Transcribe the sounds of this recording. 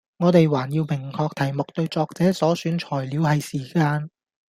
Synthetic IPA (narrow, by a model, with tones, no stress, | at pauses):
ŋɔː˨˧t̪e˨jwaː˨˩njiː˧wpʰɪ˨˩ŋkʰɔː˧k̚t̪ʰɐ˨˩jmʊ˨k̚t̪ɵ˧ɥt͡sɔː˧k̚t͡sɛː˨˥sɔː˨˥syː˨˥nt͡ʃʰɔː˨˩jliː˨˧whɐ˨jsiː˨˩kaː˧n